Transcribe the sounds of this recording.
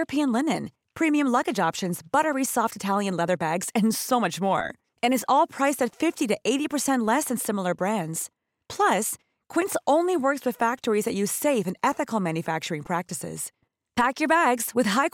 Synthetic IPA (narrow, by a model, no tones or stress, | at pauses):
ɹɨpʰiɨ̃nlɪnɨ̃n | pʰɹ̥ĩmiɨ̃mlʌɡɨd͡ʒɑpʃɨ̃nzb̥ʌɾə˞isɔftɨtʰælˠjɨ̃nlɛðə˞bæɡz̥ɨ̃nsoʊmʌt͡ʃmɔ̰ɹ | ɨ̃ñɨzɔlˠpʰɹ̥aɪstɨtfɪftiɾɨʔeɪɾipə˞sɛ̃nʔlɛsɨ̃nsɪ̃ml̩ˠə˞bɹæ̃ndz̥ | pʰl̥ʌs | kʰw̥ɪ̃ntsõʊ̃nliwɜ˞kswɨð̥fæk̚tə˞izðɨt͡ʃɨ̥seɪvɨ̃nɛθɨkl̩ˠmæ̃njɨfæk̚t͡ʃə˞ɪ̃ŋpʰɹ̥æk̚tɨsɪ̰z̥ | pʰækjə˞bæɡz̥wɨð̥ɦaɪ